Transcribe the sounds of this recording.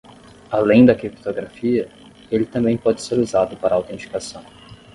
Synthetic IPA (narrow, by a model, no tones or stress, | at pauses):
alẽj̃d̪ɐkɾipt̪oɡɾafiɐ | elɪt̪ɐ̃mbẽj̃pɔd͡ʒɪseɾuzad̪ʊpaɾɐawt̪ẽt͡ʃi̥kasɐ̃w̃